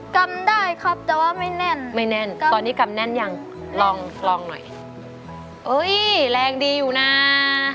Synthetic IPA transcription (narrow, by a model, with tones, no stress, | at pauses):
ka˧mdaː˥˩jkʰa˦˥˩p̚t̪ɛː˨˩waː˥˩ma˥˩jnɛ˥˩nma˥˩jnɛ˥˩n˧ɔː˧nːiː˦˥˩ka˧mnɛ˥˩nja˧ŋ | lɔː˧ŋlɔː˧ŋnɔ̰˨˩j | ʔɤː˦˥jlɛː˧ŋdiː˧juː˨˩na˦˥